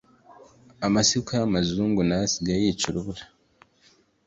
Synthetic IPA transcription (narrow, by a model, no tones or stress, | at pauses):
amasikaamazuːŋɡunajasiɡajiːt͡ʃuɾuβuɾa